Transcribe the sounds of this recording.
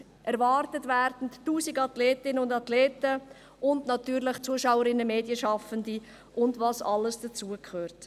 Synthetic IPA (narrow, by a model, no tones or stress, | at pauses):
ʔɛɾvɑːɾtətvæɾdn̩tːuːsiɡɑtleːtɪnəʊndɑtleːtə | ʔʊndnɑtyːɾlɪχt͡suəʃawəɾɪnːəmeːdjəʃɑfəndi | ʔʊndvɑsɑlːəsd̥ət͡suəkʰχøːɾt